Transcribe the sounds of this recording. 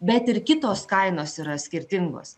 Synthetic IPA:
bʲɛt̪ɪɾkʲɪt̪oːskɐɪnoːsiːɾɐsʲkʲɪɾʲt̪ʲɪŋɡo̰ːs

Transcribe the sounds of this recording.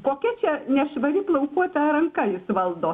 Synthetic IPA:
koːkʲɛt͡ʃʲɛnʲɛʃʋɐɾʲɪplˠɐʊkuɔt̪ɐɾɐŋkɐjɪsʋɐlˠd̪oː

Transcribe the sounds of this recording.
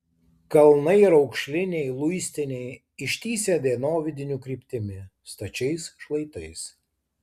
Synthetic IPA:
kɐlˠnɐɪɪɾɒʊkʃʲlʲɪnʲɛɪlˠʊjsʲt̪ʲɪnʲɛɪ | ɪʃʲt̪ʲiːsʲeːd̪ʲeːnoːʋʲɪd̪ʲɪnʲukɾʲiːpʲt̪ʲɪmʲɪ | st̪ɐt͡ʃʲɛɪsʃlˠɐɪt̪ɐɪs

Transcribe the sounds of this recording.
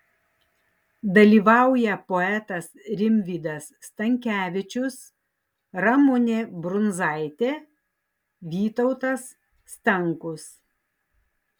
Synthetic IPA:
d̪ɐlʲiːʋɑˑʊjɛpɔɛt̪ɐsɾʲɪmʲʋʲiːd̪ɐsːt̪ɐŋʲkʲæːʋʲɪt͡ʃʲʊs | ɾɐmʊnʲebɾʊnzɑˑɪt̪ʲeː | ʋʲiːt̪ɔʊt̪ɐsː | t̪ɐŋkʊs

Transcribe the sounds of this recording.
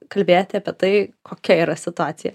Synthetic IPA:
kɐlʲbʲeːjot̪ʲɪɐːpʲiɛt̪ɐɪkʰoːkʲɛiːɾɐsʲɪt̪ʊaːt̪sʲɪjɛ

